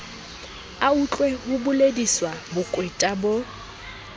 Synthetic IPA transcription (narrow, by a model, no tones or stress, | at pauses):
aut͡ɬʼwehʊbʊlediswabʊkʼwetʼabo